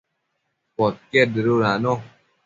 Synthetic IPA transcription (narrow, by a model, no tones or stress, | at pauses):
pɔt̚kɛdeɾoɾanɔ